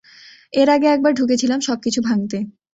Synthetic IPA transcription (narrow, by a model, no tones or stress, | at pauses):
eɾaɡeɛk̚baɾɖʱuk̬et͡ɕʰilamʃɔb̚kit͡ɕʰubʱaŋt̪e